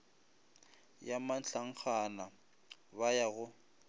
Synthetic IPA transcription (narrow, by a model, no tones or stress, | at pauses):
jamant͡ɬaŋ̩k͡xʰana | bajaɣʊ